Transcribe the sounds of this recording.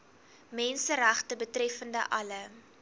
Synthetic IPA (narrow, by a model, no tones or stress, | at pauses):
mɛnsəræχtəbətrɛfəndəʔɐlə